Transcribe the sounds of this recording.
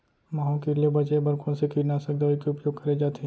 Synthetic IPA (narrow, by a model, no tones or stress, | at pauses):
mãːõkiliebɐt͡ʃebɐɾkõsekiɾnasɐɡd̪aikeʊpjoːɡ̚kɐɾed͡ʒaːt̪eɦ